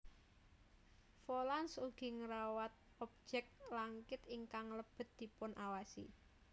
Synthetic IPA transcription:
folansuɡ̥i̤ŋəɾawat̪̚ | ɔp̚d͡ʒ̥ɛk̚tlaŋkɪt̪iŋkaŋləb̥ə̤t̪̚d̪̥i̤pʊnʔawasḭ

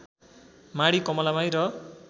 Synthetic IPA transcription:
maɽikʌmʌlamajɾʌ

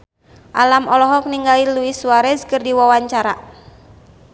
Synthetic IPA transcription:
ʔa̰lamɔlɔɦɔk̚niŋɡaliluisuwaɾɛskɨrdiwawaɲt͡ʃaɾa

